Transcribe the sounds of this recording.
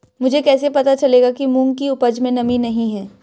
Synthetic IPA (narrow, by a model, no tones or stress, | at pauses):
mʊd͡ʒʱekɛːsepɐt̪at͡ʃɐleːɡakimũːŋkiʊpəd͡ʒmẽnɐminɐɦĩɦɛː